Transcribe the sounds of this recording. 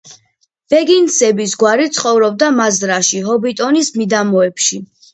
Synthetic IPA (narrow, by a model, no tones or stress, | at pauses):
b̥ɛɡinsɛbisɡwaɾit̪sʰχɔvɾɔb̚d̪amazɾaʃiɦɔbit̪ʼɔnismid̪amɔɛpʃi